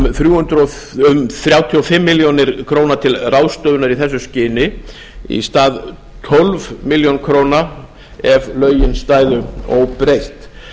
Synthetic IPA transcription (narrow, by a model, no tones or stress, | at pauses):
θɾjuːhʏnt̪ɾɔʏmθɾjaːwt̪ʰiɔfɪmːɪljonɪɾ̥kʰɾoːwnat̪ʰɪlraːwst̪œðʏnaɾiθɛsːʏscɪːnɪ | ḭst̪aːð | t̪ʰɔlvmɪljonkʰɾoːwna | ɛvlœːɥjɪnst̪aːjðʏɔwpɾejht̪